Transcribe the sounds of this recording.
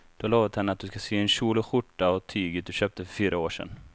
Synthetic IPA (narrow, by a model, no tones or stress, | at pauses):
d̪̥ɔloːvat̪hɛnːəat̪̚d̪ɵskaseːɛnɕuːlʊɧʊʈːaɔt̪ʰyːɡəd̪ɵɕøːp̚t̪əfœɾfyːɾaoːʂɛ̰n